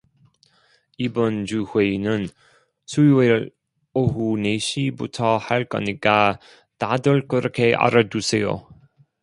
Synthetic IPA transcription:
ibɔnd͡ʑuhwenɯn | suwel | oɦuneɕibṵtʰʌhaɭkʌ̰nika | tadɯɭkɯɾɯkʰeʔa̰ɾadusejo̰

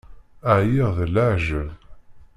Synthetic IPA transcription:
əʕjiʁðəlaʕʒəð

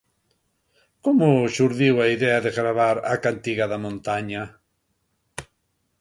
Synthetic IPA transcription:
komʊʃuɾðiwaiðɛɐðeɣɾaβaɾa̰kant̪iɣaðamõnt̪aɲa

